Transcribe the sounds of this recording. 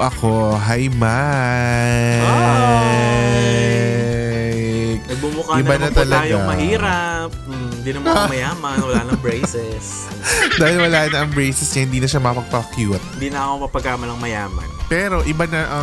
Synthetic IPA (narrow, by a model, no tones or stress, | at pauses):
ʔɐko̞ɦɐjma | nɐɡ̚bumʊkaɪb̪banɐt̪ɐlɐɡjoamɐhiːɾɐp̚m̩d̪ɪnɐmɐɐmɐjaːmɐnwɐlaːnɐɐŋbɹɛjsɛs | d̪aːhɪlwɐlaːnɐʔɐŋbɹejsɛsɲɐhɪnd̪iːnɐʃamɐpɐɡ̚pɾɐkjut̪̚ɪd̪iːnɐɐkomɐpɐɡkaːmɐlɐŋmɐjaːmɐ̰npɛːɾo̞ʔɪbanɐʔɐ